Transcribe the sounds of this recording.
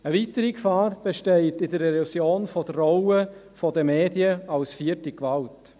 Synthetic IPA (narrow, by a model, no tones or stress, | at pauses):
əvitəɾikfɑːɾb̥eʃtɛɪtɪdəɾɛɾusjoːnfɔd̥ərɔʊə | fɔdəmeːdjəɑlsfiətikʋɑlt